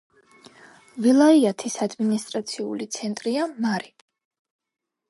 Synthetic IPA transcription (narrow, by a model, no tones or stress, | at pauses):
vilˠaiat̪ʰisad̪minist̪ʼɾat̪sʰiṵlit̪sʰɛnt̪ʼɾiamaɾi